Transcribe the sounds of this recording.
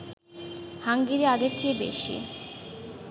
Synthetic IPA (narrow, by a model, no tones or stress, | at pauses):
haŋɡiɾeaɡeɾt͡ɕebḛʃḭ